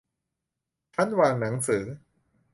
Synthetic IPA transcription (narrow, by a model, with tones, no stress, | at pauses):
t͡ɕʰa˦˥nwaː˧ŋna˩˦ŋsɯː˩˦